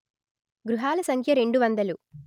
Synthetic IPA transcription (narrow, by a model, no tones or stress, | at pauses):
ɡɾuɦaːlɐsɐŋkʰjɐɾe̞ɳɖuʋɐnd̪ɐlu